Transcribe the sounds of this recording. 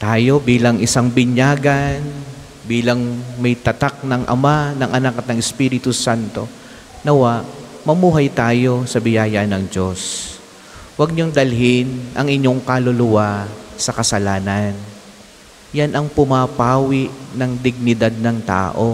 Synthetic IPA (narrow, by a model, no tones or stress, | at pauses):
t̪aːjo̞biːlɐŋʔɪsaŋbɪɲjaːɡɐn | biːlɐŋmɐjt̪ɐt̪ak̚nɐŋʔɐ̰manɐŋʔɐnakːɐt̪̚nɐŋɛspiːɾɪt̪usant̪o̞ | nɐwaʔmɐmuːɦɐjt̪aːjo̞sɐbɪjaːjɐnɐŋd͡ʒo̞s | wɐɡ̚ɲoŋd̪ɐlɦɪnʔɐŋʔɪɲːo̞ŋkalolʊwasɐkɐsɐlaːnɐn | janʔɐŋpʊmapaːwɪʔnɐŋd̪ɪɡ̚nɪd̪ad̪̚nɐŋt̪a̰ːʔo̞